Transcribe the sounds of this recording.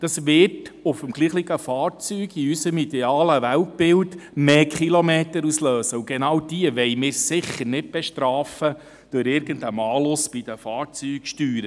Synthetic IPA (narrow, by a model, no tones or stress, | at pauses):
d̥ɑsʋɪrtʊfəmɡ̥liːχliɡəfɑːɾt͡syːɡiysəmid̥ɛɑːləʋælt̚b̥ɪldmeːkχilomeːtəɾusløːsəʊɡ̥enɑwd̥iəʋɛɪmɪːɾsɪχːəɾnɪt̚b̥ɛʃtɾɑːfə | d̥øɾɪɾɡ̥əndəmɑːlʊsb̥ɪd̥̪əfɑːɾt͡syːkʃtyːɾə